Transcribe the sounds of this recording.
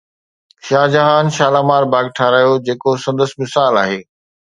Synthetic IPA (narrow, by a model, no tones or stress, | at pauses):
ʃaːd͡ʑɐɦaːnʃaːlaːmaːɾbaːɡ̚ʈʰaɾaːɦijod͡ʑeːkosɐ̃nd̪əsmɪsaːlaːɦeː